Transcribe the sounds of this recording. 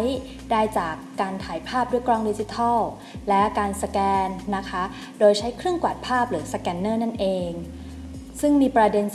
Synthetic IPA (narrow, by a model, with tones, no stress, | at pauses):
j | daː˥˩jt͡ɕaː˨˩kːaː˧nt̪ʰaː˩˦jpʰaː˥˩p̚du˥˩jkɾɔː˧˩ŋdi˦˧˥t͡ɕi˧˦t̪ʰɔ˥˩w | lɛ˦˥kaː˧nsa˧kɛː˧nːa˦˥kʰa˦˥ | doː˧jt͡ɕʰa˦˥jkʰɾɯ˥əŋkwa˨˩t̪̚pʰaː˥˩p̚ɾɯː˩˦sa˧kɛː˧nːɤː˥˩na˥˩nʔeː˧ŋ | sɯ˥˩ŋmiː˧pɾa˧de˧ns